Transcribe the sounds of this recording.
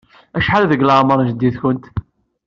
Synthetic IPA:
æʃħalðəɡləʕməɾˤnʒəd̪ːiθkənt̪

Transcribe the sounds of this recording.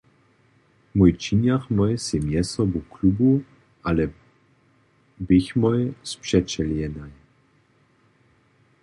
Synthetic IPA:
mujt͡ʃiɲjaxmɔjɛsjɛmjɛsɔbuklubu | ʔalɛ | bɪçmɔjɛspʂɛt͡ʃɛljɛnaj

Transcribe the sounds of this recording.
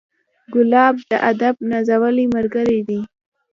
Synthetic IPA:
ɡʊlɑb̚d̪əʔad̪ab̚nazawəliməɾɡəɾid̪i

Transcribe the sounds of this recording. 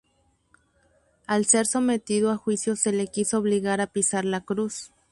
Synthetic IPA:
alse̞ɾso̞me̞t̪iðoaxwisjo̞se̞lekiso̞ːβliɣaɾapisaɾlakɾus

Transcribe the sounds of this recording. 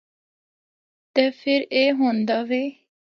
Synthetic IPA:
t̪ɛːfʰɪɾeːɦõːnd̪aːʋeː

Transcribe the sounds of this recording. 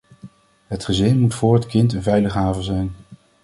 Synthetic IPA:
ɦətχəzɪnmutfʊːɹɦətkɪntənvɛjləχɦaːvəzɛjn

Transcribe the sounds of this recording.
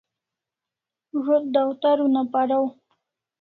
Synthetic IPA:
ʐod̪̚d̪awt̪aɾunapaɽaw

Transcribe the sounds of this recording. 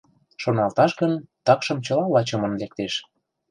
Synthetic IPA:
ʃonɑlt̪ɑʃɣənt̪ɑkʃə̆mt͡ɕə̆lɑlɑt͡ɕə̆mənlek̚t̪eʃ

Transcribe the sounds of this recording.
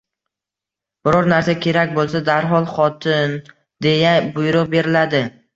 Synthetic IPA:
b̥ɪɾɒɾnaɾsakʲʰe̞ɾakʲbolˠsad̪aɾɦɒlˠχɒt̪ʰɪn | d̪e̞jabʊjɾʊqbe̞ɾɪlad̪ɪ

